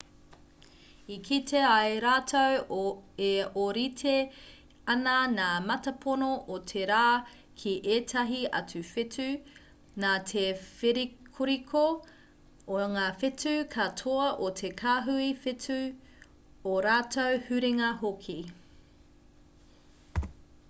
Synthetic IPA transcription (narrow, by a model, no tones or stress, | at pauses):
ikʰitʰeɐjɾaːtʰoweoɾitʰe | ɐnɐnaːmɐtɐpʰonoʔotʰeɾaː | kʰiʔeːtʰɐɦiɐ̰tʰʉfetʰʉ | naːtʰefeɾikʰuɾikʰo | oŋaːfetʉkʰɐtʰoɐʔotʰekʰaːɦuifetʉ | oɾaːtʰowhʉɾiŋɐɦokʰi